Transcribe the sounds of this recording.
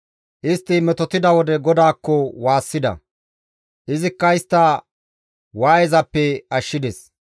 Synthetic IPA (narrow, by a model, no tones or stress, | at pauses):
ʔɪst̪ːɪmɛt̪ɔt̪ɪd̪ɐwɔd̪ɛɡɔd̪aːkːɔwaːsːɪd̪ɐ̰ | ʔɪzɪkːɐɪst̪ːɐ | waːjɛzɐpːɛɐʃːɪd̪ɛs